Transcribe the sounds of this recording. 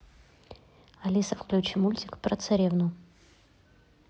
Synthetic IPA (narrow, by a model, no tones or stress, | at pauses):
ɐlʲisəfklʲut͡ɕɪmulʲtʲɪkpɾət̪sɐɾʲevnʊ